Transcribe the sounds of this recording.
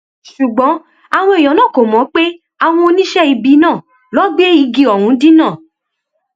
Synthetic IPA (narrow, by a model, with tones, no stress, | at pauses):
ʃu˨ɡ͡bɔ̃˨˦ | a˧˨w̃ɔ̃˧i˨j̃ɔ̃˨nãː˦˨ko˨mɔ̃˨˦k͡pe˦ | a˨w̃ɔ̃˧o˧nĩ˦ʃɛ˦i˧bi˧nãː˦˨ | lɔ˨˦ɡ͡be˦i˧ɡi˧ɔ˨w̃ũ˨˦di˦nãː˦˨